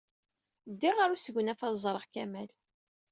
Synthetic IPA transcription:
d̪ːiʁaɾusəɡənæfɑzˤɾˤəʁkæmæl

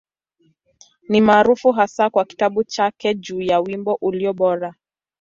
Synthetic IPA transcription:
nimaːɾufuɦasakwaki̥taɓut͡ʃakɛd͡ʒuːjawimbɔʔuliɔɓɔɾa

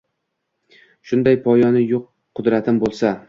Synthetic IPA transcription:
ʃʊnd̪ajpʰɒjɒnɪjoqʰː | ʊd̪ɾat̪ʰɪmbolˠsa

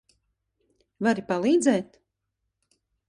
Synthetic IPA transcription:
vaɾipalˠiːd̪zɛːt̪

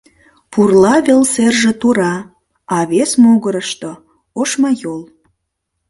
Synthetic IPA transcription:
purlɑβelserʒĕt̪uɾɑ | ɑβesmuɣəɾəʃt̪o | oʃmɑjol

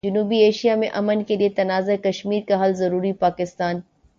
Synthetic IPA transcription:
d͡ʒʊnuːbieːʃijamẽʔɐmənkʰeliɦet̪ɐnaːzekɐʃmiːɾkaɦɐlzɐɾuːɾipaːkɪst̪aːn

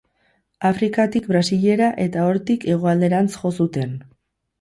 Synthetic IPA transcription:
afɾikat̪ik̚bɾasiʎe̞ɾaʔe̞t̪ao̞ɾt̪ike̞ɣ̞o̞ald̪e̞ɾant͡sʝo̞sut̪e̞n

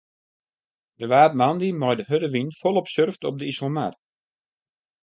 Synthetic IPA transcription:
dəʋaːtmandimɔjdəɦødəʋinfɔlˠɔpsørftɔb̚dəisəlˠmar

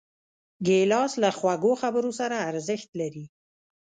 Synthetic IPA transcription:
ɡelɑslaxwaɡoxabəɾosaɾaːɾzɪxt̪laɾi

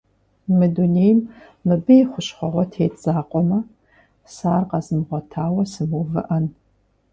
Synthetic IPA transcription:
mɨduneːjm | mɨbɨjiχʷʊɕχʷɐʁʷɔtʰeːtʰʼz̥aːqʷʼɔmɐ | saːrqɑzɨmʁʷɔtʰaːwɐsɨmuvɨ̰ʔɐn

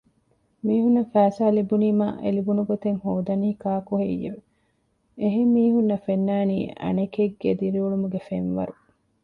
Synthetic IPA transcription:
miːɦunːɐfæːsaːlibuniːma̰ːʔelibunuɡot̪eŋhoːd̪ɐnihikaːkuɦeijḛʋe | eɦeːiːɦunːɐfenːæːnḭːʔɐ̰nekeɡːed̪iɾiuɭumuɡefenʋɐ̰ɾu

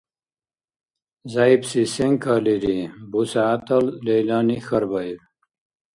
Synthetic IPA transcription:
zaːibsiseŋkʰaliɾibusaːt̪ɐllejlaːnixɐɾbɐiw

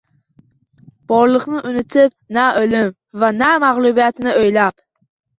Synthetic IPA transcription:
b̥ɒɾlˠɨqnɪʔʊnɪt̪ʰɪp̚ | naolɪm | vanamaʁlˠʊbijat̪ɪnɪojlap

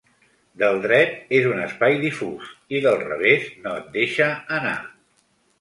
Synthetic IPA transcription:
d̪əlˠd̪ɾɛt̪̚ezunəspajðifusiðəlˠrə̰βeznoət̪̚d̪eʃəːna̰

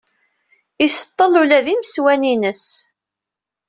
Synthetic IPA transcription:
isə̥t̪ˤːəlulæðiməswæninəs

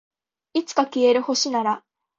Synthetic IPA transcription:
it͡sɨ̥kakʲie̞ɾɯho̞ɕinaɾa

